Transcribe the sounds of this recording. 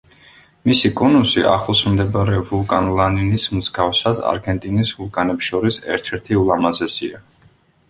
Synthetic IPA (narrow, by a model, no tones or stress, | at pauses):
misikʼɔnusia̰χlˠɔsmd̪ɛbaɾɛvulˠkʼanlˠaninismzɡafsad̪a̰ɾɡɛnt̪ʼinisvulˠkʼanɛpsʃɔɾisɛ̰ɾt̪ʰɛɾt̪ʰiulˠamazɛsḭa